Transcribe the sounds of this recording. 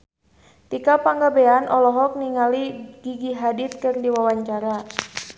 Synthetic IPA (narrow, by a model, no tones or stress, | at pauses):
t̪ikapaŋɡabeanʔɔlɔɦɔk̚niŋaliɡ̥iɡiɦadit̪̚kɨrdiwawaɲt͡ʃaɾa